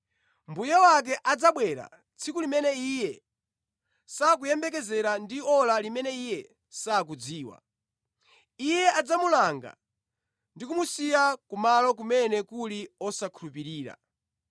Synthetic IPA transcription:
mbujɛwak̬ɛʔad͡zaɓwɛɾa̰ | t͡sʰikulimɛnɛijɛ | sakujɛmbɛk̬ɛzɛɾandiɔlalimɛnɛijɛ | sak̬ud͡ziːwa̰ | ijɛʔad͡zamulaŋɡa̰ | ndikumusijakumalɔk̬umɛnɛkuliɔsakʰulupiɾiːɾa̰

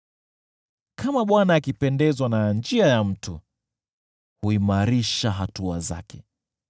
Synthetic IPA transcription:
kamaɓwanaːkipɛndɛzwanand͡ʒiajam̩tʰu | huimaɾiʃaɦatua̰za̰kʰɛ

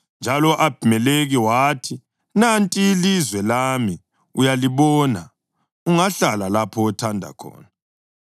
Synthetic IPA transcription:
nd͡ʒʱalɔʔab̥ʱimɛleɣiwaːtʰi | nantʼiːlizwɛlami | ujaliβɔːna | uŋaɬalalapʰɔːtʰandʱa̰kʰɔ̰ːna

